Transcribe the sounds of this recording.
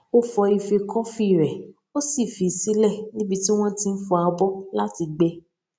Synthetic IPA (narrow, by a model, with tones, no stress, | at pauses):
o˦fɔ˧i˧fe˧kɔ˦fi˦˨ɾɛ˨ | o˦si˦˨fi˨si˦lɛ˦˨nĩ˦bi˧ti˦w̃ɔ̃˦tĩ˧n̩˦fɔ˧a˧bɔ˦la˦ti˧ɡ͡bɛ˧